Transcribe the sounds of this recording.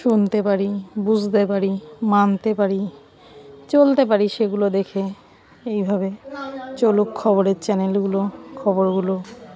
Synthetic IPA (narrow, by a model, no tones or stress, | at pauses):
ʃunt̪epaɾibud͡ʑʱt̪epaɾimant̪epaɾi | t͡ɕolt̪ep̬aɾiʃeɡulod̪ekʰe | ejbʱaβet͡ɕolukkʰːɔβoɾeɾt͡ɕɛnelɡulokʰɔboɾɡulo